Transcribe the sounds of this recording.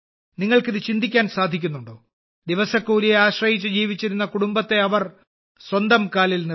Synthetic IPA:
niŋːɐɭkiðɨt͡ɕind̪ikʲːaːnsaːd̪ʱikʲːunːuɳɖoː | d̪iʋɐsɐkːuːɾijeaːɕrɐjit͡ɕːɨd͡ʑiːʋit͡ɕːiɾunːɐkuɽumbɐt̪ːe̞ɐʋɐr | swɐnd̪ɐmkaːlilni

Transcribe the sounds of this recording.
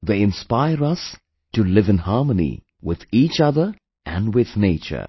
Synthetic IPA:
ðeɪɪ̃nspaɪəɾʌs | tulɪvɨ̃nhɑːmənḭ | wɪð̥iːt͡ʃʌðə | ʔæ̃nwɪð̥neːt͡ʃə̰˞

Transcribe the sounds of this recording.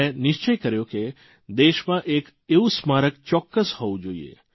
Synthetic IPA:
enɪʃt͡ʃəjkəɾjoke | d̪eʃmãʔek | eʋũsmaɾəkt͡ʃɔkːəshɔʋũd͡ʒoḭḛ

